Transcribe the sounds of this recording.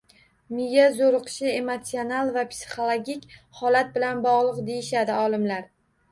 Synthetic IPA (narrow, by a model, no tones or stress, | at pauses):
mɪjazoɾɨqʰɨ̥ʃɪe̞mot̪sionalˠvapsi̥χolˠoɡʲikʲhɒlat̪̚bɪlanbɒʁlˠɨqd̪e̞jɪʃad̪ɪɒlˠɪmlaɾ